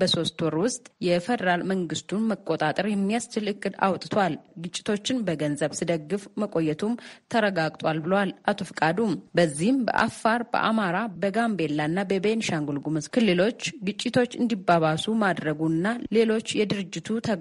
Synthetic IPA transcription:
bəso̞st̪wɔɾwʊst̪ʼjɛfɛd̪əɾalməŋɡɨst̪ʰunməkʼːo̞t̪ʼat̪ʼəɾjɛmːijast͡ʃːɪlɨkʼːɨd̪a̰wt̪ʼɨt̪ʰowalɡɨt͡ʃʼːɪ̥t̪ʰo̞t͡ʃːɪnbəɡənzəβsɨd̪əɡːɨfməkʼo̞jːɛt̪ʰumt̪ʰəɾəɡaɡt̪ʼwalbɨləwalʔat̪ʰofɨkʼad̪umbəzːihɨmbə̰ʔa̰fːaɾbə̰ʔa̰maɾabəɡambe̞lːaɨnːabəbenʃaŋɡulɡumɨskʰɨlːɨlo̞t͡ʃːɡɨt͡ʃʼːɪt̪ʰo̞t͡ʃːɨnd̪ibaβasumad̪ɾəɡuɨnːale̞lo̞t͡ʃːjɛd̪ɨɾɨd͡ʒːɪt̪ʰut̪ʰə

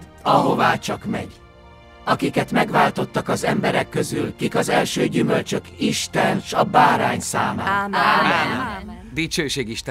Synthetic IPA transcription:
ɒɦo̞vaːt͡ʃɒkmɛ̰ɟ | ɒkikɛt̪mɛɡʋaːlt̪o̞t̪ːɒkɒzɛmbɛɾɛkːø̞zylkikɒzɛlʃøːɟymø̞lt͡ʃø̞kiʃt̪ɛnʃɒbaːɾaːɲsaːmaː | d̪it͡ʃøːʃeːɡiʃt̪

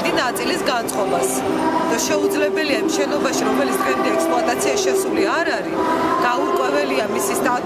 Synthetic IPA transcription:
d̪inat̪sʼilisɡant̪sʼqʼɔbas | d̪̥aʃɛud̪zlɛbɛliamʃɛnɔbaʃiɾɔmɛlit̪sʰkɛnd̪iɛksplɔat̪ʼat̪sʰiaʃɛsuliaɾaɾi | d̪̥auɾkʼwɛvɛliamisist̪ʼa

